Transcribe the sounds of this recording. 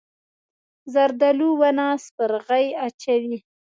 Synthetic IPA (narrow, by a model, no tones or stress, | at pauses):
zaɾd̪aluwanɑspəɾɣajat͡ʃawi